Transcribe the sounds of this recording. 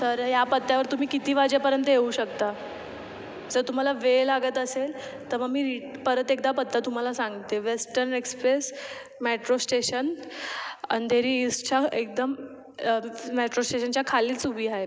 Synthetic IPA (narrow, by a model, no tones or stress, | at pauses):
səɾjapət̪ːjaʋəɾt̪um̤iːkit̪iːʋad͡ʑepəɾjənt̪̬əjeuːɕəkt̪a | d͡zəɾt̪um̤alaʋelaɡət̪əsel | t̪əɾməɡmiːɾiʈpəɾət̪ek̚d̪apət̪ːat̪um̤alasãŋɡit̪eʋesʈəɾnekspɾes | meʈɾosʈeɕən | ənd̪ʱeɾiːst͡ɕʰaek̚d̪əm | meʈɾosʈeɕənt͡ɕjakʰaliːt͡subʱiːaɦe